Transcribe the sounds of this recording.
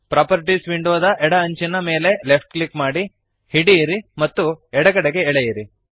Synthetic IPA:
pɾaːpɐɾiʈisʋiɳɖuʋɐd̪ɐʔɛɽɐɐɲt͡ʃinɐme̞ːle̞lepʰʈklikmaːɽi | hiɽiːɾimɐt̪ːuɛɽɐɡɐɽeɡeːɭejiɾi

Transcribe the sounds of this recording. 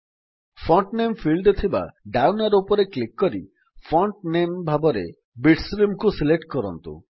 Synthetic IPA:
fʰɔɳʈnempʰilɖt̪ʰiba̰ɖawnaɾupɔɾeklikːɔɾi | fʰɔɳʈnembʱabɔɾḛ | biʈsɾimkusileʈkɔɾɔnt̪ṵ

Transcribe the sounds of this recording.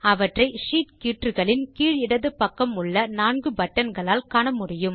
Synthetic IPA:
ɐʋɐʈrɐɪʂiːʈkiːʈrɯɣɐɭɪnkiːɻɪɽɐðɯpːɐkːɐmʊɭːɐnaːnɡɯbɐʈːɐnɡɐɭaːlkaːɳɐmʊɽɪjɯm

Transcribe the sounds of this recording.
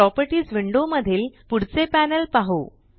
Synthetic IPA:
ɾɔpəɾʈiːsʋiɳɖoməd̪ʱiːlpuɽ̤t͡sepænəlpaɦo

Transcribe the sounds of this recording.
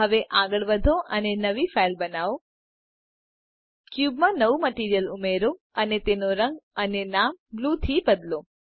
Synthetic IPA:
ɦəʋeʔaɡəɭʋəd̪ʱoʔənenəʋifailbənao | kjubmãnəʋuməʈiɾijəlumeɾo | ənet̪enoɾə̃ŋɡənenamblut̪ʰibəd̪lo

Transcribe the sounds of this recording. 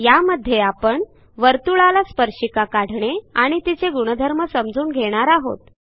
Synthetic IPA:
jaməd̪ʱːjeapəɳ | ʋəɾt̪uɭalaspəɾɕikakaɽ̤ɳeaɽ̃it̪it͡seɡuɽ̃əd̪ʱəɾməsəmd͡zuːnɡʱeɽ̃aɾaɦo̰t̪̚

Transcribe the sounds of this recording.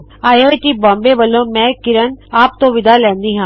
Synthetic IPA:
aːiaːjʈiːbɔ̃ːmbeːʋəlːõːmɛ̃ːkɪɾənaːp̚t̪õːʋɪd̪aːlɛ̃ːnd̪iːɦãː

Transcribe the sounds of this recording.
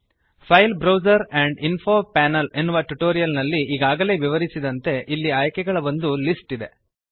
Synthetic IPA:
pʰɐjlbɾɐwzɐɾɛɳɖinpʰoːpæːnɐle̞nːuʋɐʈuʈoːɾijɐlnɐlːiʔːɡaːɡɐle̞ːʋiʋɐɾisid̪ɐnt̪e̞ʔilːiaːjkɛɡɐɭɐbond̪ulisʈid̪e̞

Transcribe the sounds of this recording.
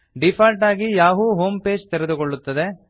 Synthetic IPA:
ɖipʰɐɾʈaːɡijaːʋuɦoːmpe̞ːd͡ʒt̪ɛɾed̪ukoɭːut̪ːɐd̪e

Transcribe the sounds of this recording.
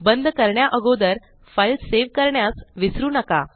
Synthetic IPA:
bənd̪ʱkəɾɳjaʔəɡod̪əɾ | fəjlseʋkəɾɳjasʋisɾuːnəka

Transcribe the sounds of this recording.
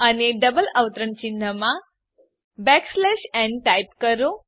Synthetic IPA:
əneɖəbələʋt̪ɾəɳt͡ɕinːəmã | bɛkslɛʃɛ̃ɳʈajpkəɾo

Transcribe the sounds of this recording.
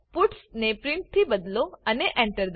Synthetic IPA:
puʈsnepɾɪɳʈ̚t̪ʰibəd̪loəneʔɛ̃ɳʈəɾd̪

